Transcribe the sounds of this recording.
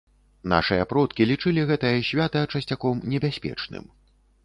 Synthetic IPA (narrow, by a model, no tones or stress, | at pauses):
n̪a̰ʂɨjɐpɾɔt̪kʲilʲit͡ʂɨlʲiɣɛt̪ɐjɐsʲvʲat̪ɐt͡ʂɐsʲt͡sʲakɔmnʲɛbʲasʲpʲɛ̰t͡ʂnɨ̰m